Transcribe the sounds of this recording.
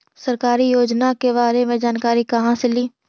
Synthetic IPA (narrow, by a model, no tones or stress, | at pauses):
sɐɾkaːɾijoːd͡ʒnakeβaːɾemẽd͡ʒaːnkaːɾikɐɦãseliː